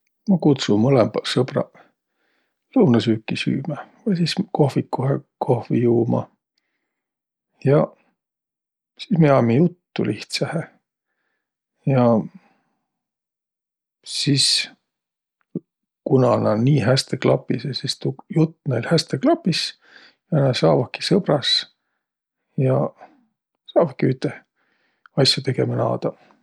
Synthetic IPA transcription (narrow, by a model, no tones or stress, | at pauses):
mɑkut̪summɤlemb̥ɑlsɤbrɑ̰ | lɤwnɑsyːkːisy̰ːmævɤsisko̞hvikːuhekʰo̞hvḭjuːmɑ̰ | jɑ | sismeɑmijut̪ːṵlʔiht̪sɑhe | jɑ | sis | kunɑnɑniːɦæst̪eklɑpːˑisesist̪ujut̪ːnejlhæst̪eklɑpːˑis | jɑɑnɑsɑːvɑki̥sɤb̥rɑs | jɑ | sɑːvɑkːiyht̪ːˑe | ɑsjut̪e̞ɡe̞mɑnɑ̰ːd̪̥ɑ